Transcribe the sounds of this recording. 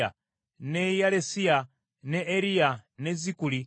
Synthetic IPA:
a | nɛjalɛsia | nɛɛɾijanɛzikuli

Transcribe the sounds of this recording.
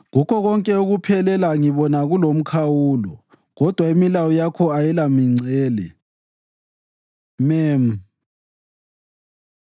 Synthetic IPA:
ɣukʰɔɣɔŋkʼɛuɣupʰɛlɛlaŋiβɔnaɣulom̩kʰawuːlɔ̰ | ɣɔd̥ʱwaimilawɔjakʰɔajɛlamiŋ͡ǀɛːlɛ̰ | mɛm̩

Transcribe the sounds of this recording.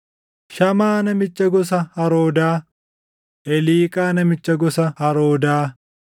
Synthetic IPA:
ʃɐmaːnɐmɪt͡ʃːɐɡɔs̬ɐhɐɾoːd̪aː | ʔɛliːkʼaːnɐmɪt͡ʃːɐɡɔsɐhɐɾoːd̪aː

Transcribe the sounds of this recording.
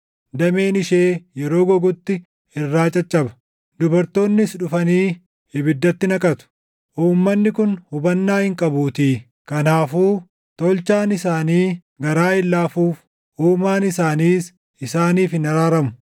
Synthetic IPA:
d̪ɐme̞ːnɪʃeːjɛɾo̞ːɡɔɡʊt̪ːɪ | ɪrːaːt͡ʃʼɐt͡ʃʼːɐbɐ̥ | d̪ʊbɐɾt̪o̞ːnːɪsᶑʊfɐniː | hɪbɪd̪ːɐt̪ːɪnɐkʼɐt̪ʊ̥ | ʔuːmːɐnːɪkʊnhʊbɐnːaːhɪŋkʼɐbuːt̪iː | kɐnaːfuː | t̪ɔlt͡ʃaːnɪsaːniː | ɡɐɾaːɪlːaːfuːf | ʔuːmaːnɪsaːniːs | ɪsaːniːfhɪnɐɾaːɾɐmʊ

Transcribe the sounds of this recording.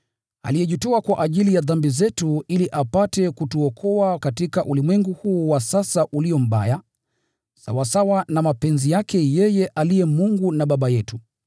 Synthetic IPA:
a̰lijɛʄutɔakwaʔaʄilijaðambizɛtuiliʔapatɛkutuɔkʰɔakatikaʔulimwɛŋɡuhuːwasasaʔuliɔm̩ɓa̰ja | sa̰wasawanamapɛnzijakʰɛjɛjɛʔalijɛmuŋɡunaɓaɓajɛtu

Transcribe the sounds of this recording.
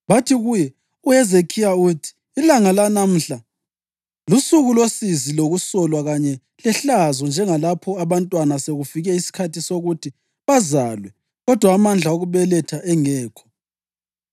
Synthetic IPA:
βatʰiɣujɛ | uɛzekʰijautʰi̥ːilaŋalanam̩ɬa | lusuɣulosiziloɣusɔlwaɣaɲɛ | lɛɬazɔnd͡ʒʱɛŋalapʰɔaβantʼwanaseɣufiɣɛisi̥kʰatʰisoɣutʰi | βazalwɛ | ɣɔd̥ʱwaːmand͡ɮʱaoɣuβɛlɛtʰaʔɛŋɛːkʰɔ̥

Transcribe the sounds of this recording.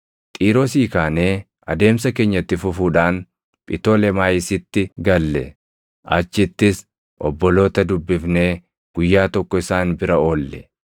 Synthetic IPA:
t̪ʼiːɾoːsiːkaːneː | ɐd̪e̞ːmsɐke̞ːɲːɐt̪ːɪfʊfuːᶑaːn | pʼɪt̪o̞ːlɛmaːjɪsɪt̪ːɪɡɐlːɛ | ʔɐt͡ʃːɪt̪ːɪs | ʔɔbːɔlo̞ːt̪ɐd̪ʊbːɪfne̞ː | ɡ̥ʊjːaːt̪ɔkːɔɪsaːnbɪɾɐo̞ːlːɛ

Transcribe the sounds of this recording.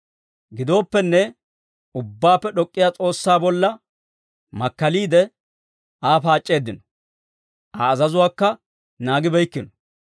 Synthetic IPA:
ɡɪd̪o̞ːpːɛnːɛ | ʊbːaːpːɛɗɔkʼːɪjaːt͡sʼo̞ːsːaːbɔlːɐ | mɐkːɐliːd̪ɛ | aːfaːt͡ʃʼːe̞ːd̪ɪnɔ̥ | ʔɐːzɐzʊwaːkːɐ | naːɡɪbɛjkːɪnɔ

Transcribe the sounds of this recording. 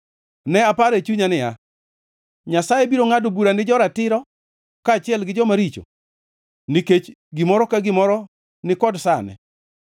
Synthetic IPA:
nɛapaɾɛt͡ʃuɲanɪja̰ | ɲasajebiɾoŋadobuɾanɪd͡ʒɔɾatɪɾɔ | kaːt͡ʃɪɛlɡɪd͡ʒɔmaɾit͡ʃo̰ | niket͡ʃ | ɡɪmɔɾɔkaɡɪmɔɾɔ | nɪkɔdsanɛ̰

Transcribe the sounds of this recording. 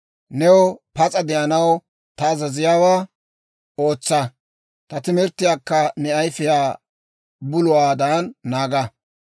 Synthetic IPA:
nɛwɔpɐt͡sʼɐd̪ɛʔɐnɐw | t̪ɐːzɐzɪjaːwaː | o̞ːt͡sːɐ | t̪ɐt̪ɪmɛɾt̪ɪjaːkːɐnɛɐjfɪjaː | bʊlʊwaːd̪aːnːaːɡɐ

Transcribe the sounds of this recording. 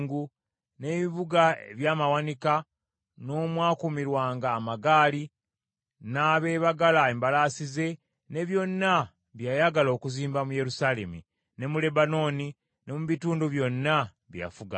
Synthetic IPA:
ŋɡu | ne̞βiβuɡaḛβjaːmawanika | no̞ːmwaːkumiɾwaːŋɡaːmaɡaːli | naːβe̞ːβaɡalaeːmbalasize̞ | ne̞βjo̞nːa | βjajaɡalo̞ːkuziːmbamuje̞ɾusaːle̞mu | ne̞mule̞bano̞ni | ne̞muβituːnduβjo̞nːa | βja̰fuɡa̰

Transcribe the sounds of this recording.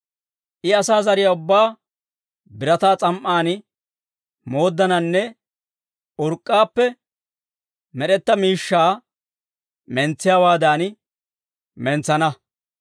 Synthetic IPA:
ʔɪɐsaːzɐɾɪjɐʊbːaː | bɪɾɐt̪aːt͡sʼɐmʔːaːn | mo̞ːd̪ːɐnɐnːɛ | ʊɾkʼːaːpːɛ | mɛɗɛt̪ːɐmiːʃːaː | mɛnt͡sːɪjaːwaːd̪aːn | mɛnt͡sːɐnɐ

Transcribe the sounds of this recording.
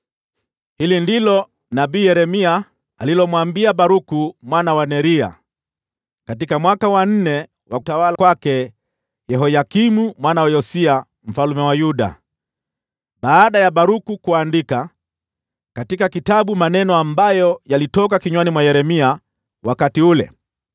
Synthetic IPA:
hilindilɔ | naɓiːjɛɾɛmia | alilɔmwambiaɓaɾukumwanawanɛɾia̰ | katikamwakawan̩nɛ | wakutawalakwakɛ | jɛɦɔjakimumwanawajɔsia | m̩falumɛwajuɗa̰ | ɓaːɗajaɓaɾukukuandika | katikakitaɓumanɛnɔambajɔjalitɔk̬akiɲwanimwajɛɾɛmia | wakatiulɛ̰

